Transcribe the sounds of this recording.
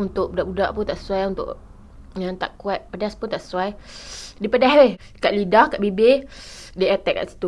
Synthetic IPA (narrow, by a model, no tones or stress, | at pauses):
unt̪ʊʔbudaʔbudaʔpʊnt̪aʔsə̥suajunt̪ʊ̰ʔ | jant̪a̰ʔkuat̪̚padaspʊnt̪aʔsə̥suajdipadahweh | kaʔlidahkaʔbibediʔat̪ɛʔkːa̰ʔsi̥t̪u